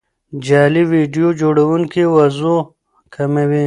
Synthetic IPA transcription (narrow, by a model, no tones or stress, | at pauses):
d͡ʒaːliwiɖijod͡ʒoːɽɐwuŋkiwɐzo | kʰɐmɐwi